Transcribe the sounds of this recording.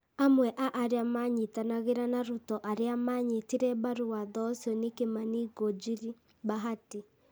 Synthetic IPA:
amwɛʔaʔaɾeamaɲitanaɣeɾanaɾutɔʔaɾeamaɲetiɾɛbaɾuaðɔsɔnekemaniɡod͡ʒiɾi | baɦati

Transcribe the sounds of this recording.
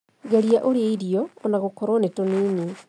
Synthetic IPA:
ɡeɾiaʔoɾeeiɾiɔonaɣokɔɾonetoniːni

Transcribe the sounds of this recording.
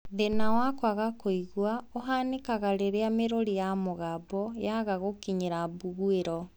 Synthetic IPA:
ðenawakwaɣakoiɣwaoɦanekaɣaɾeɾeameɾoɾijamoɣabɔjaɣaɣokiɲeɾabuɣueɾɔ

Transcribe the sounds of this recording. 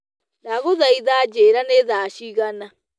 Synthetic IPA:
naɣoðaiðad͡ʒeɾaneðaːʃiɣana

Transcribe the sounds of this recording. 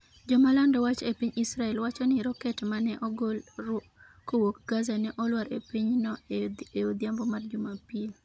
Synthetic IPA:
d͡ʒɔmalandɔwat͡ʃepiɲisɾaɛlwat͡ʃɔnɪɾɔkɛtɛmanɛʔɔɡol | kowokɡazanɛʔɔlwaɾepiɲnɔeod̪jambɔmard͡ʒumapil

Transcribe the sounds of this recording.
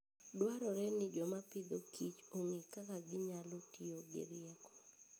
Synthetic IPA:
dwaɾɔɾɛnɪd͡ʒɔmapɪd̪okʰit͡ʃoŋikakaɡɪɲalotioɡɪ̰ɾɪɛkɔ̥

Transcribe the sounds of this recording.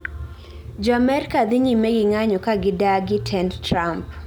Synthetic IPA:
d͡ʒɔamɛɾikad̪ɪɲimeɡɪŋaɲɔkaɡɪdaɡɪtʰɛndtɾamp̚

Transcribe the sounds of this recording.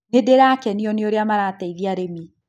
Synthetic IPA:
nedeɾakɛniɔneoɾeamaɾatɛiðiaɾemi

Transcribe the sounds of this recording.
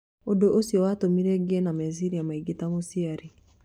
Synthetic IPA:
odoʔosiɔwatomiɾeɡɛnameziɾiamaiɡitamosiaɾi

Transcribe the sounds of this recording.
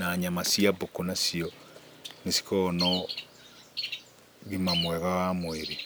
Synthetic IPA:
naɲamasiabokonasiɔ | nesi̥kɔnɔ | ɣimamwɛɣawamweɾe

